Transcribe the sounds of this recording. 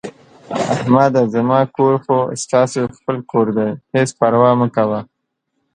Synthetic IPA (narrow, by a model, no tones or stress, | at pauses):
ahmad̪azamɑkoɾxost̪ɑsoxpəlkoɾd̪ajhespaɾwɑməkawa